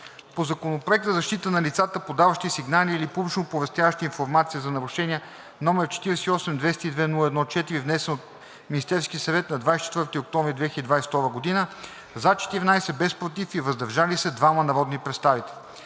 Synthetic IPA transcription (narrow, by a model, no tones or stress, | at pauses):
pozɐkonopɾoɛk̚t̪əzɐʃt̪it̪ənɐlit̪sat̪əpod̪avəʃt̪isiɡnaliːlipublit͡ʃnopovɛst̪javəʃt̪iinfoɾmat̪siəzɐnɐɾuʃɛniɛ | nɔmɛɾt͡ʃɛ̥t̪iɾɛsɛiɔsɛmd̪vɛst̪id̪vɛnulˠəɛd̪nɔt͡ʃɛt̪iɾivnɛsɛnot̪̚ | mʲinist̪ɛɾskʲiəsɐvɛt̪nɐd̪vajst͡ʃɛ̥t̪vɤɾt̪iok̚t̪ɔ̃mvɾid̪vɛxilʲəd̪id̪vajst̪ɔɾvəɡod̪inə | zat͡ʃɛ̥t̪iɾinajsɛbɛspɾot̪ifivəzd̪ɐɾʒalisɛd̪vamənɐɾɔd̪nipɾɛt̪st̪avit̪ɛ̥